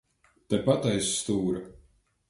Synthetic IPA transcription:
t̪apat̪ajsːt̪uːɾa

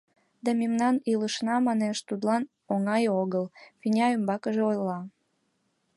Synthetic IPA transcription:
d̪ɑmemnɑniləʃnɑmɑneʃt̪ut̪lɑn | oŋɑjoɣəlfinʲɑømbɑkəʒeojlɑ

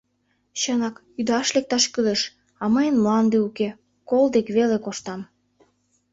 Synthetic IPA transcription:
ɕənɑk | yd̪ɑʃlek̚t̪ɑʃkyleʃ | ɑməjənmlɑnd̪euke | kold̪ekβelekoʃt̪ɑm

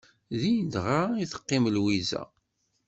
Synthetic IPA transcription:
ðid̪ʁaiθə̥qːɪməlwizæ̰

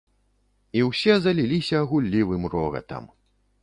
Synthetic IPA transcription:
iwsʲɛzɐlʲilʲisʲɐːɣulʲːivɨmrɔɣɐ̰t̪ɐ̰m

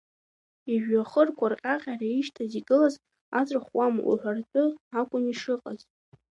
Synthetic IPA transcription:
iʒᶣaχərkʷʰarqʼaqʲʼaraiʃtʰaziɡɨlaz | at͡sʷʼχwamṵħʷartʼɨakʷʼʊniʂɨqʼaz

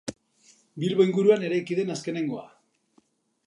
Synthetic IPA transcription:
bilβoijŋɡuɾuane̞ɾajkiðe̞naske̞ne̞ŋɡo̞a̰

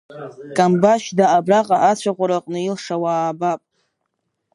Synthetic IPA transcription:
kʼambaʃdaabraqʼaʔat͡ɕʷʰaqʷʼaɾaqʼnɨilʂawaːbapʼ

